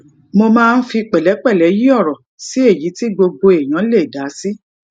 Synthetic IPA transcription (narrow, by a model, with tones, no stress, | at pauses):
mo˧mãː˦˧n̩˦fi˧k͡pɛ˨lɛ˨˦k͡pɛ˦˨lɛ˨˦ji˦ɔ˦˨ɾɔ˨ | si˨˦e˦˨ji˨˦ti˦ɡ͡bo˧ɡ͡bo˧e˨j̃ã˨˦le˦˨da˨˦si˦